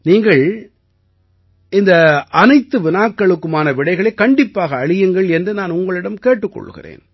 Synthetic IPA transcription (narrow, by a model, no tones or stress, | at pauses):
niːŋɡɐɭ | ɪnd̪ɐʔɐnɐɪt̪ːɯʋɪnaːkːɐɭɯkːɯmaːnɐʋɪɽɐɪɣɐɭɐɪkːɐɳɖɪpːaːɣɐːɻɪjɐŋɡɐɭɛndrɯnaːnʊŋɡɐɭɪɽɐmkeːʈːɯkːɔ̰ɭːɯ̰ɣɪ̰rḛːn